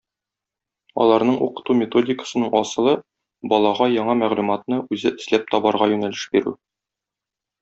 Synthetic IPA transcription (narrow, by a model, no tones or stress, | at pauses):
ɒ̰lˠɑɾnɤɴʔṵqɤ̥̆t̪umʲɪt̪o̞dʲɪkə̥sɤ̆nɤɴɒsɤ̆lˠɤ | bɒlˠɑʁɑjɒɴɑmæʁlumɑt̪nɤʉzɘʔɘ̆slæp̚t̪ɒbɑɾʁɑjʉnælɘʃbiɾʉ̰